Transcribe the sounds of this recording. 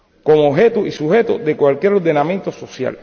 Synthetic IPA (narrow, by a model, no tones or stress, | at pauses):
ko̞mooɦe̞t̪uʔisuhe̞t̪o̰ðe̞kwalkje̞ɾo̞ɾðe̞nãmjẽnt̪o̞so̞sja̰l